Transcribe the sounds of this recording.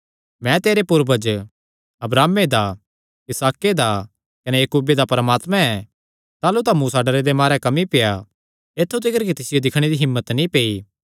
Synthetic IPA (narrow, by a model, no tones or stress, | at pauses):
mɛ̃t̪eːɾepʊɾbəd͡ʒ | ɐbɾaːmed̪a | ɪsaːked̪a | kɐnejɐkuːbed̪apɐɾəmaːt̪mɛ̃ɛ | t̪aːlut̪ãmuːsaɖɐɾed̪emaːɾɛkɐmipeja | eːt̪ʰːut̪ɪkəɾkit̪ɪsɪjod̪ɪkʰɽ̃ed̪iɦɪmːət̪nĩpeːi